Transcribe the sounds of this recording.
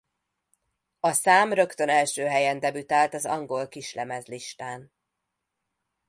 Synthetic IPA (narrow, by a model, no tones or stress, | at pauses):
ɒsaːmrø̞kt̪ø̞nɛlʃøːɦɛjɛnd̪ɛbyt̪aːlt̪ɒzɒ̰ŋɡo̞lkiʃlɛmɛzliʃt̪aːn